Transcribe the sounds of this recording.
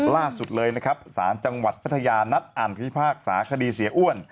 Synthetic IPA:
laː˥˩su˨˩t̪̚lɤː˧jna˦˥kʰɾa˦˥p̚saː˩˦nt͡ɕa˧ŋwa˨˩t̪̚pʰa˦˥t̪ʰːa˧jaː˧na˦˥t̪̚ʔa˨˩npʰa˦i˦˥pʰaː˥˩k̚sa̰ː˩˦kʰa˧diː˧si˩˦ʔu˥˩ən

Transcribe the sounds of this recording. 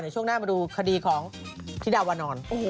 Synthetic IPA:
na˨˩t͡ɕʰu˥˩ənaː˥˩a˧nduː˧kʰa˧diː˧kʰɔː˩˦ŋt̪ʰi˦˥daː˧waː˧nɔː˧no˨

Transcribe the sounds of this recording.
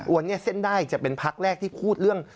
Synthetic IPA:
wa˧nːi˦˥ɐse˥˩ndaː˥˩jt͡ɕa˨˩pe˧npʰa˦˥k̚ɾɛː˥˩k̚t̪ʰiː˥˩pʰuː˥˩t̪̚ɾɯ˥˩əŋ

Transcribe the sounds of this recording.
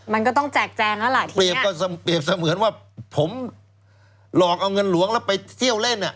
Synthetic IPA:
ma˧nkɔ˥˩t̪ɔ˥˩ŋt͡ɕɛː˨˩k̚t͡ɕɛː˧ŋla˦˥wla˨˩t̪ʰːli˨˩˨əp̚kɔː˥˩˧pli˨˩əp̚sa˧mɯː˩˦nwaː˥˩ | pʰo˩˦m | lɔː˨˩k̚ʔa˧wŋɤ˧nlu˨˦əŋlɛ˦˥wpa˧jt̪ʰi˥˩əwle˥˩nʔa˨˩ʔ

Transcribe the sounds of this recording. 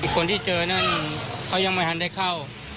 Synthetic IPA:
i˧˩kʰo˧nt̪ʰiː˥˩t͡ɕɤː˧na˥˩nkʰa˧˥˩wja˧ŋma˧˥˩jha˧˦nda˧˩jkʰa˥˩w

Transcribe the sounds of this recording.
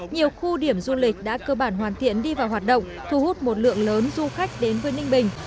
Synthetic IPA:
ɲi˨˩əwxu˧ɗi˧˩əmzu˧lï˨˩k̟̚ɗa̰ː˧˥kəː˧ɓaː˧˩nɦwaː˨˩nt̪ʰḭ˧˨ənɗi˧vaː˨˩wɦwaː˨˩t̚ɗə̰˧˨wŋ͡m | t̪ʰu˨˧˩hu˦˥t̚mo˨˩t̚lɨ̰˧˨əŋləː˨˦nzu˧xa˦˥jk̟̚ɗe˨˦nvəː˨˦jnï˧ŋ̟ɓï˨˩ŋ̟

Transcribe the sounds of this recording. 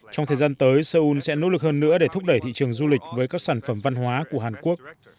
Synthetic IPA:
t͡ɕɔ˧wŋ͡mt̪ʰə˨˩zaː˧nt̪əː˨˦jsəː˧ʔu˧nsɛ̰˧˥no̰˧˥lɨ˨˩k̚həː˧nːɨ̰˧˥əɗe˧˩t̪ʰʊ˦˥k͡p̚ɗə˧˩jt̪ʰḭ˧˨t͡ɕɨ˨˩əŋzu˧lï˨˩k̟̚vəː˨˦jkaː˦˥k̚saː˧˩nfə˧˩mva˧nɦwaː˨˦ku˧˩əɦaː˨˩nku˦˥ək̚

